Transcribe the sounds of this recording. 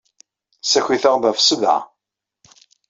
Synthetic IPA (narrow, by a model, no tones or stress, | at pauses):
sæçʷiθəʁðæfsəða̰